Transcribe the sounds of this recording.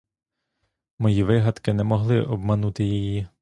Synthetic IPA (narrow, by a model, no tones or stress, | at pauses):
mɔjiʋɪɦɐd̪kɪnɛmɔɦlˠɪʔɔb̚mɐnut̪ɪjiji